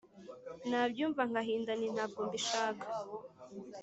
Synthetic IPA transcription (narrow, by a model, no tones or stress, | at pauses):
naːbjuːɱvaŋɡaɦiːndanin̥haːɡɡoːmbiʃaːkḁ